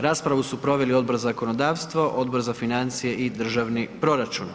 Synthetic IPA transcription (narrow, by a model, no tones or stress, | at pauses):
ɾaːspɾaʋusupɾo̞ʋe̞lio̞d̪̚bo̞ɾzakono̞d̪aːʋst̪ʋoʔo̞d̪bo̞ɾzafinant̪sije̞ʔid̪r̩ʒaʋnipɾo̞ɾat͡ʃun